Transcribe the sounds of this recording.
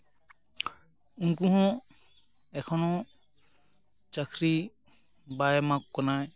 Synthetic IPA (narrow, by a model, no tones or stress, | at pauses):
uŋkuɦɔ̃ | ɛkʰɔnɔ̃ | t͡ʃakʰɾi | bajmakkɔnaj